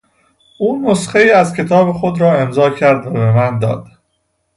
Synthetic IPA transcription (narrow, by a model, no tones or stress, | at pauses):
ʔuːnosχeiːæzcʰe̞t̪ʰɒːbexod̪ɾɒːe̞mzɒːcʰæɾd̪væβemænd̪ɒ̰ːd̪̥